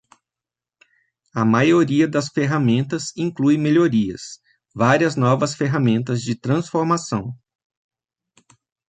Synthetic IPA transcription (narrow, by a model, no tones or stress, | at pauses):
ɐmajoɾiɐd̪ɐsfeɦamẽnt̪ɐzĩŋkluj̃meʎoɾiɐ̰s | vaɾiɐznɔvɐsfeɦamẽnt̪ɐzd͡ʒɪt̪ɾɐ̃sfoɾmasɐ̃w̃